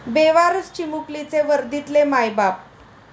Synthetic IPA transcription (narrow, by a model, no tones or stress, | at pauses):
beʋaɾəst͡ɕimuklit͡seʋəɾd̪it̪lemajbap